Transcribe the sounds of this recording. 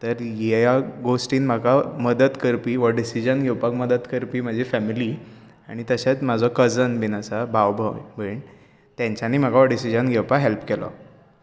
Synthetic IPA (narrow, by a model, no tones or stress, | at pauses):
t̪əɾjejaɡosʈiːnm̤akaməd̪ət̪kəɾpiːʋəɖisid͡ʑənɡʱɛwpakməd̪ət̪kəɾpiːm̤əd͡ʑʱifæmili | aɽ̃it̪əɕat̪mad͡zʱɔkəd͡zənbinat͡sabʱaʋbʱəbʱəɳ | t̪jãɲt͡ɕaniːm̤akaʋəɖisid͡ʑənɡʱewpaɦelpkɛlɔ̰